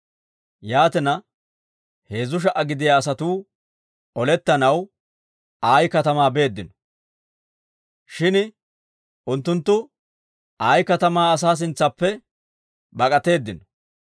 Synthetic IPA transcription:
jaːt̪ɛnɐ | he̞ːzːʊʃ̬ɐʔɐɡɪd̪ɪjaːs̬ɐt̪uː | ʔɔlɛt̪ːɐnɐw | aːjkɐt̪ɐmaːbe̞ːd̪ːɪnɔ̥ | ʃɪn | ʔʊnt̪ːʊnt̪ːʊ | aːjkɐt̪ɐmaːɐs̬aːs̬ɪnt͡sːɐpːɛ | bɐkʼɐt̪e̞ːd̪ːɪnɔ̥

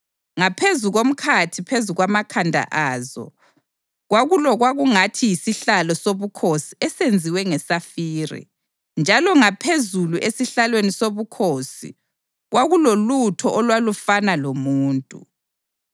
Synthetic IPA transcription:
ŋapʰezuɣom̩kʰatʰipʰezuɣwamakʰandʱa̰ʔaːzɔ̰ | ɣwaɣulɔɣwaɣuŋatʰijisiɬalɔsoβukʰosiɛsend͡zʱiwɛŋɛsafiːrḭ | nd͡ʒʱalɔŋapʰezuluʔesiɬalwenisoβukʰoːsḭ | ɣwaɣulolutʰɔʔɔlwalufanalomuːntʼu

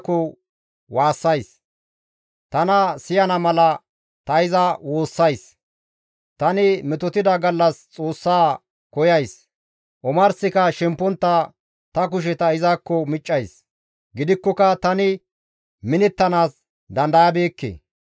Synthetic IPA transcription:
kːɔ | waːsːɐjs | t̪ɐnɐsɪjɐnɐmɐlɐ | t̪ɐɪzɐwo̞ːsːɐjs | t̪ɐnɪmɛt̪ɔt̪ɪd̪ɐɡɐlːɐst͡sʼo̞ːsːaː | kɔjɐjs | ʔɔmɐɾsɪkɐʃɛmpːɔnt̪ːɐ | t̪ɐk̬ʊʃ̬ɛt̪ɐɪzaːkːɔmɪt͡ʃʼːɐjs | ɡɪd̪ɪkːɔkɐt̪ɐnɪ | mɪnɛt̪ːɐnaːs | d̪ɐnd̪ɐjɐbe̞ːkːḛː

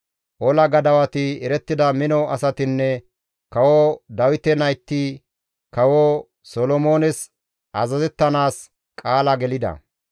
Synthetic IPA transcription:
ʔɔlɐɡɐd̪ɐwɐt̪ɪɛɾɛt̪ːɪd̪ɐmɪnɔɐsɐt̪ɪnːɛ | kɐwod̪ɐwɪt̪ɛnɐjt̪ːɪ | kɐwoː | solɔmoːnɛs | ʔɐzɐzɛt̪ːɐnaːs | kʼaːlɐɡɛlɪd̪ɐ̰

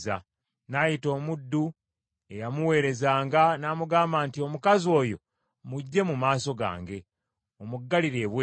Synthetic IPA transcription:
a̰ | najito̞ːmudːu | e̞jamuwe̞ːɾe̞zaːŋɡanaːmuɡaːmbaːntio̞mukazo̞ːjo̞̰ | muɟːe̞mumaːso̞ɡa̰ːŋɡe̞ | o̞muɡːaliɾe̞ːβwe

